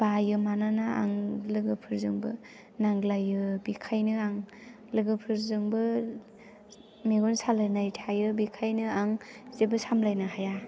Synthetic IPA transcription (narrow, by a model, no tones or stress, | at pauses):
b̥ajɯmananaa̰ŋlɯɡɯpʰɯɾzɯŋbɯ | naŋlajɯbikʰajnɯaŋ | lɯɡɯpʰɯɾzɯŋbɯ | meɡɔnsalajnajtʰajɯbikʰajnɯaŋzebɯsamlajnɯɦaja